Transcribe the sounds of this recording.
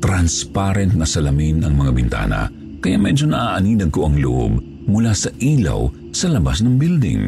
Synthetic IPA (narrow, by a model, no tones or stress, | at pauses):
t̪ɾanspaɾɛnt̪̚nɐsɐlɐminɐŋmɐŋabɪnt̪a̰ːnɐ̰ | kɐjaʔmɛd͡ʒo̞nɐʔaːʔɐniːnɐɡ̚koʔɐŋlʊʔo̰b | mʊlasɐʔiːlɐ̰w | sɐlɐbasnɐŋbild̪ɪ̰ŋ